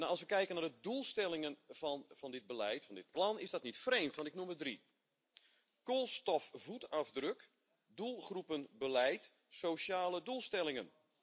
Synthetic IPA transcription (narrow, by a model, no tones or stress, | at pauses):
naɑlˠsʋəkɛjkənardədulˠstɛlˠɪŋənvɑndɪd̚bəlɛjtfɔndɪt̚plɑnɪzdɔtnitfreːmtʋɑntɪknumədri | kolˠstɔfvutɑvdrøk | dulˠχrupənbəlɛjt | sowʃaːlədulˠstɛlɪŋən